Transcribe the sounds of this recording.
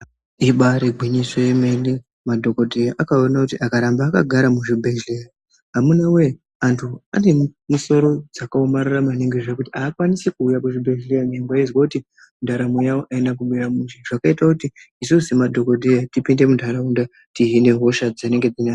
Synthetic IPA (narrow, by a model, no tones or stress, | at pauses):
iɓaɾeɡʱwiɲisweemene | madʱo̞ko̞dʱejaʔakaonakutiʔakaɾambaːka̰ɡʱaɾamuʐibʱeʒlea | ɦamunawe̞ | antʰua̰nemuso̞ɾo̞d͡zakaomaɾaramaneŋɡeʐekutiaːkwanisikuːjakuʐibʱeʒlejaɲeŋɡaizwakuti | mundʱaɾamujawoʔaenak̬uɓujamuʐiʐ̥akaitakutiisusimadʱo̞ko̞dʱejatipinde̞mundʱaɾaunda | tiɦine̞ɦo̞ʃad͡zane̞ŋɡe̞d͡zina